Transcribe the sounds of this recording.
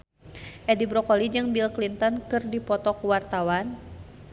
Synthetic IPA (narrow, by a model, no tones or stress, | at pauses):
ʔɛdibɾɔkɔlid͡ʒɨŋbilklint̪ɔnkɨrdipɔt̪ɔkwart̪awan